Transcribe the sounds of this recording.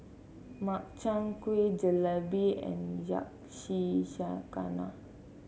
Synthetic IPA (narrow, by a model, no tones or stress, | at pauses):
mak̚t͡ʃãŋkwid͡ʒəlabiɛ̰̃nd͡ʒa̰k̚ʃiʃaka̰na̰